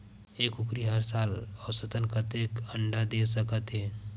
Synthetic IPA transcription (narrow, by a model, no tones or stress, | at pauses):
eːkʊkɾiɦəɾsaːlɔsət̪ənkət̪ekəɳɖad̪esəkət̪ɦɛː